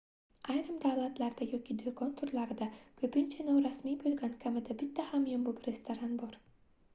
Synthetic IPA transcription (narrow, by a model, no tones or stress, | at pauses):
ɑjɾɯmd̪awlˠat̪laɾd̪ajɒkʲid̪ekont̪ʰʊɾlˠaɾd̪akʰɵpɪnt͡ʃʰɛnowɾasmijbɵlɡʲankʲʰamɪd̪abɪt̪ːæhamjombʊpɾʲest̪aɾanbɒɾ